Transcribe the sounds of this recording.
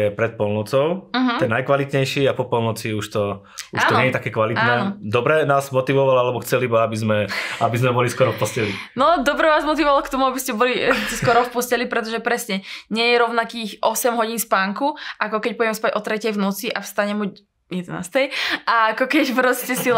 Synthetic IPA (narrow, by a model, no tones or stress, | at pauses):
ɛpɾɛt̪̚pɔlnɔt͡sɔʊmɦ̪ɛnnːajkʋalit̪ɲɛjʃiapɔpɔlnɔt͡siuʃt̪ɔ | uʃtːnɲɛjɛt̪akɛːkʋalit̪anɛːd̪ɔbɾɛnaːzmɔt̪iʋɔʋalalɛbɔxt͡sɛlibɔabizmɛabizmɛbɔliskʊɔɾɔfpɔscɛlinɔd̪ɔbɾɛʋaːzmɔt̪iʋɔʋalɔkt̪ɔmuabiscɛbɔliɛskkʊɔɾɔfpɔscɛlipɾɛt̪̬ɔʒɛpɾɛsɲɛɲɛjɛɾɔʊnakiːxʔɔsɛmɦɔɟiːnspaːŋkuʔakɔkɛc̚pɔjɛmɛspaɟɔt̪ɾɛcɛjʋnuːt͡siʔafst̪aɲɛmu | jɛd̪ɛna̰ːst̪ɛjʔaakɔkɛcpɾɔscɛsi